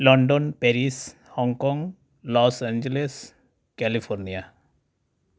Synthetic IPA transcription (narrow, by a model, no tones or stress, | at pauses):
lɔ̃ɳɖɔnpɛɾis | hɔ̃ŋkɔ̃ŋɡ | lɔsɛ̃nd͡ʒeles | kɛlipʰɔɾnija